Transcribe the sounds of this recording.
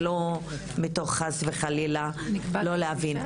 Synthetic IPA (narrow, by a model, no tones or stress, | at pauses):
lo | mito̞χːasveχalilalo̞leavin